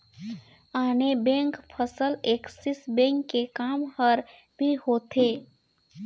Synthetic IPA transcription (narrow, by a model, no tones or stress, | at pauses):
aːnebẽːŋkpʰəsəleːksɪsbẽːŋkːekaːmhəɾ | bʱihoːt̪ʰeː